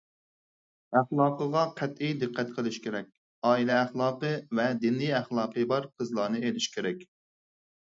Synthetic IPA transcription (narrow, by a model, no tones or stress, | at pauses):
æχlˠɑːqəʁɑqʰæt̪ijd̪ɨqʰːæt̪qʰəlˠɪʃkʲʰeɾɛkʲ | ɑːilɛːχlˠɑːqɨvɛd̪inlijæχlˠɑːqəbɑɾqʰəzlˠɑːnɨelɪʃkʲʰeɾɛkʲ